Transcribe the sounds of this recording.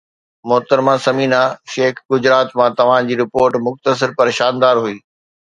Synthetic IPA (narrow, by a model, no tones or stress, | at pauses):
mʊɦt̪əɾmãsɐmiːnaʃeːkɡʊd͡ʑɾaːt̪mãt̪ɐʋ̤ãd͡ʑiːɾɪpoːɾʈmʊxt̪əs̬ɪɾpɐɾeʃaːnd̪aːɾɦuiː